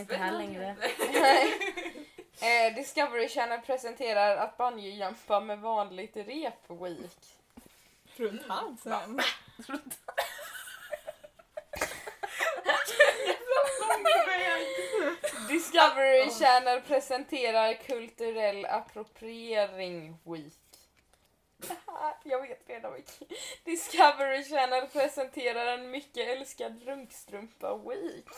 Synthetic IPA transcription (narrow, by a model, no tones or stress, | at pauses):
lɛŋɾnɛ | d̪ɪskavəɾɪʃæːɳəɾpʰɾɛsɛnt̪ʰeːɾaɾat̪̚banjəjœmpamɛvɑːnlɪɡ̚t̪ɾeːpʰwiːk | ɾt̪a | d̪ɪskavəɾɪʃæːnaɾpʰɾɛsɛnt̪ʰeːɾaɾkʰɵlt̪ʉɾɛlːa̰pʰɾʊpʰɾɪeːɾɪŋwiːk | jɑːɡveːt̪ɾeːd̪amɪd̪̥ɪskʰavəɾɪʃæːnaɾpʰɾɛsɛnt̪ʰeːɾaɾɛnmʏkːəɛlskad̪ɾɵŋkst̪ɾɵmpa̰wiːk